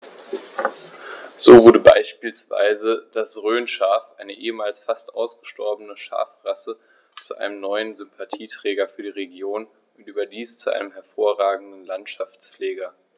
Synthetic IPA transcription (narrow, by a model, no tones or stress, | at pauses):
z̥oːvʊɐɾəba̰ɪʃpiːlsv̥a̰ɪzəd̥asʁøːnʃaːfʔaɪnəʔeːəmaːlsfastʔa̰ʊsɡ̥əʃtʰɔɐbənəʃa̰ːfʁasə | t͡suʔa̰ɪnəmnɔʏənzʏmpʰatʰiːtʁ̥ɛːɡɐfyːɐdiːʁeɡjoːn | ʊntʔyːbɐdiːst͡suʔa̰ɪnəmɦɛɐfoːɐʁaːɡŋ̩dn̩lantʃaft͡sflɛːɡɐ